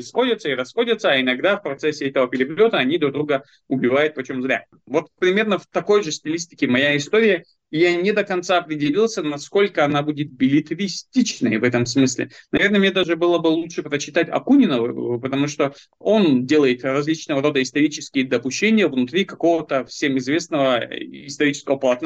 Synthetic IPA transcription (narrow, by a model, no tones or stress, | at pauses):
ɪsxo̞dʲɪt̪səɪɾɐsxo̞dʲɪt̪səːɪnɐɡd̪afpɾɐt̪sɛsʲːɪɛt̪əvəpʲɪɾʲɪplʲo̞t̪əɐnʲid̪ɾuɡ̚d̪ɾuɡə | ʊbʲɪvajʊt̪̚pɐt͡ɕomzɾʲa̰ | vo̞t̪̚pɾʲɪmʲe̞rnəft̪ɐko̞jʐɨsʲtʲɪlʲisʲtʲɪkʲɪmɐjaɪst̪o̞ɾʲɪjə | janʲɪd̪əkɐnt̪saɐpɾʲɪdʲɪlʲilˠsʲənɐsko̞lʲkəɐnabudʲɪt̪̚bʲɪlʲɪt̪ɾʲɪsʲtʲit͡ɕnəjəvɛt̪əmsmɨsʲlʲɪ̰nɐvʲe̞rnəmnʲed̪aʐɨbɨlˠəbɨlˠutʂɨpɾət͡ɕːɪt̪atʲɐ̰kunʲɪnəvɨ̰pət̪ɐmuʂt̪o̞ | o̞ndʲe̞lˠəjɪt̪rɐzʲlʲit͡ɕnəvəɾo̞d̪əɪst̪ɐɾʲit͡ɕɪskʲɪjəd̪əpʊɕːenʲɪjəvnʊt̪ɾʲikɐko̞vət̪əfsʲe̞mɪzvʲe̞snəvəɪst̪ɐɾʲit͡ɕɪskəvəpəlˠɐt̪n